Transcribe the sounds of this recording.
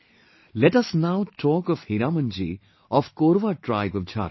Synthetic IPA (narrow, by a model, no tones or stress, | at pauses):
lɛʈɐsnaʊtʰɔːkɔfhiɾamə̃nd͡ʒḭ | ɔfkoːɾʋaʈɾaɪbɔʋd͡ʒʰa̰